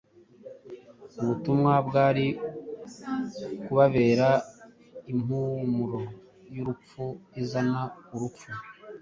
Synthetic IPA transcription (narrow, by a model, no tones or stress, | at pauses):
uβutumŋabɡaːɾi | kuβaβeːɾa | im̥uːmuɾo | juɾup͡fuizanauɾup͡fu